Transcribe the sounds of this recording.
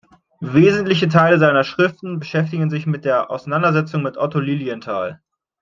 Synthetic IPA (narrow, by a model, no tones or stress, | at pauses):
veːzn̩tlɪçətʰaɪləzaɪnɐʃʁ̥ɪftn̩bəʃɛftɪɡn̩zɪçmɪt̚d̥eːɐʔa̰ʊsanandɐzɛt͡sʊŋmɪtʔɔtoliːliəntʰa̰ːl